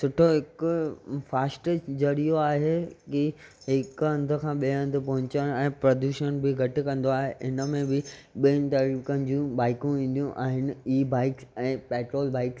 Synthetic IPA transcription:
sʊʈʰoɦɪkʊfaːsʈət͡ɕd͡ʑɐɽijoaːɦeki | ɦɪkɐ̃nd̪ʱʊ̆kʰãːɓĩɐ̃nd̪ʱʊ̆pɐɦʊ̃t͡ɕəñɛ̃ːpɾɐd̪uːʃəñbɪɡʱɐʈɪ̆kɐ̃nd̪oaːɦeʔɪnə̆mẽbɪɓint̪ɐɾiːkɐñ̆d͡ʑũbaːɪkũʋĩːn̆d̪ijũʔa̰ːɦɪnɪ̆iːbaːɪksɛ̃ːpeːʈɾoːlbaːɪks

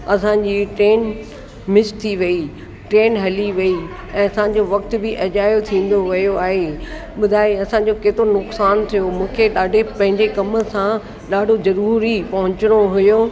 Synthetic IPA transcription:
ɐsãd͡ʑiːʈɾeːn | mɪst̪ʰiʋɐi | ʈɾeːnɦɐliʋɐi | ɛ̃ːɐsãɲ̆d͡ʑoʋɐk̚t̪bɪʔɐʄaːjot̪ʰĩːn̆d̪oʋɐjoaːɦeɓʊd̪ʱaːjeɐsãːɲ̆d͡ʑokeːt̪ɾonʊksaːnt̪ʰijomũːkʰeɗaːɖʱepɐ̃ɦɪ̃ɲd͡ʑekɐmə̆sã | ɗaːɖʱozɐɾuːɾipɐɦʊ̃t͡ɕɪɽ̃oɦʊjoː

